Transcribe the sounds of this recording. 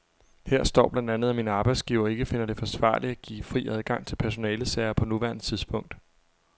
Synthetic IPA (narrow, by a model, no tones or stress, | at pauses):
heɐ̰sd̥ɒ̰ːb̥lænd̥ænð̞̩ˠæminəɑ̈ːb̥ɑ̈ɪ̥sɡ̥iʊɐe̝ɡ̥əfe̝nɐɾ̥e̝fɒ̽sʋɑ̰̈ːliæɡ̥ḭːfʁḭːæðˠɡ̥ɑ̈ŋ̰t͡sʰe̝lpʰæɐso̝nɛːləsɛɪɐpʰɒ̽nuʋæɐnt͡sʰiðˠsb̥ʰɔ̽ŋ̰d̥